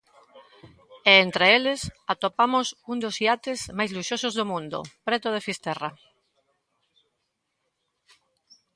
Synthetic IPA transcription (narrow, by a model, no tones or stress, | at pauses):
ɛent̪ɾeelɪsat̪opamʊsund̪osiat̪ɪzmajzluʃosʊzðomũnd̪ʊ̰pɾet̪ʊð̞efist̪ɛra